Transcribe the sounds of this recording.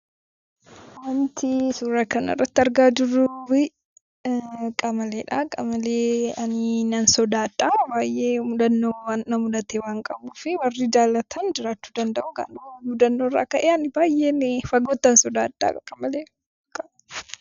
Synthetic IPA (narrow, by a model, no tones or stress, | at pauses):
wɐnt̪ʰɪsuːɾɐkɐnɐ̰rːɐt̪ːɪɐɾɡaːd͡ʒʊruːbɪ | kʼɐmɐleːᶑɐkʼɐmɐleːɐnɪnɐnsɔd̪aːd̪ʼːaːbaːjʔeːmʊd̪ɐnːoːwanːɐmʊlɐt̪eːwaːŋkʼɐbuːfɪwɐrːid͡ʒaːlːɐt̪ʰɐnd͡ʒɪɾaːt͡ʃːu̥ːd̪ɐnd̪ɐʔʊɡa̰ːnʊmʊd̪ɐnːoːrːa̰ːkɐʔeːɐnɪbaːjʔeːnɪfɐɡoːt̪ːɐnsɔd̪aːd̪ʼa̰ːkɐkʼɐmɐleː | kʼːɐ